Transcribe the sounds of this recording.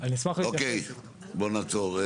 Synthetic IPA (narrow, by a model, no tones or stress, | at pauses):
aniismaχiokej | bonat͡soʁe